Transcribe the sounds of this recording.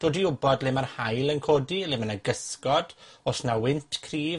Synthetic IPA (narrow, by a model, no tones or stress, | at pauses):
d̥oːdiʊbɔdlɪmarhajlˠənkʰoːdilɪmənaɡəskɔd̥osnawɪntʰkʰriː